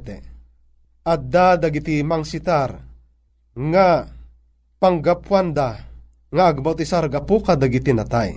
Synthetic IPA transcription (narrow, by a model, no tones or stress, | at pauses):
t̪ɛ̰ | ad̪ad̪aɡit̪imaŋsit̪aɾ | ŋa | paŋɡapwand̪a | ŋaːɡ̚bawt̪isaɾɡapukad̪aɡit̪inat̪aj